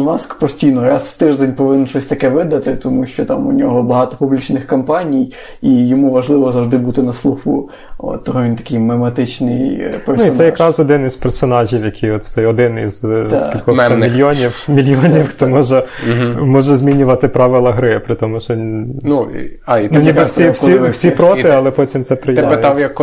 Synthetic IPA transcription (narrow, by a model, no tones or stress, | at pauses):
nɑskpɔsʲtʲijnɔɾɑswt̪ɪʒd̪ɛnʲpɔʋɪnɛnt͡ʃɔsʲt̪ɐkɛʋɪd̪ɐt̪ɪt̪ɔmuʃt͡ʃɔt̪ɑmunʲɔɦɔbɐɦɑt̪ɔpublʲit͡ʃnɪxkɐmpɑnʲij | ijɔmuʋɐʒlˠɪʋɔzɐwʒd̪ɪbut̪ɪnɐslˠuxṵ | ɔ̰t̪ːɔɦɔʋʲint̪ɐ̥kɪjmemɐt̪ɪt͡ʃnɪjperusiɛjɐkɾɑzɔd̪ɪnɪspɛrsɔnɑʒʲiwjɐkʲʰijɔt̪sɛjɔd̪ɪnḭz̥skʲilʲkɔmʲilʲjɔnʲiwmʲilʲjɔnʲiwxt̪ɔmɔʒɛmɔʒɛzʲmʲinʲʊʋɐt̪ɪpɾɑʋɪlˠɐɦɾɪpɾɪt̪ɔmʊʃɔnuanunʲibɛsʲiwsisʲipɾɔt̪ɪɐlˠɛpɔtʲimt̪sɛpɾɪjɪpɪt̪ɑwjɐk